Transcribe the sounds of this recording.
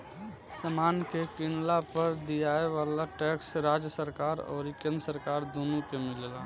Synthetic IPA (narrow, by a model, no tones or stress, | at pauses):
səmaːnkekɪnlapəɾd̪ijaːeʋaːlaʈɛːksɾaːd͡ʒjəsəɾkaːɾɔ̰ːɾɪkːə̃nd̪ɾsəɾkaːɾd̪onukemɪlela